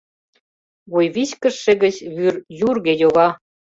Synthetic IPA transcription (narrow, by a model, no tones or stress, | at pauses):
βojβit͡ɕkə̆ʃːĕɣə̆t͡ɕβyrjurɣejoɣɑ